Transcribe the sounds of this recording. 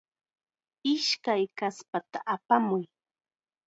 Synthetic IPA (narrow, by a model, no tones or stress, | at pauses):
ɪʃkajkaspat̪aʔapamʊj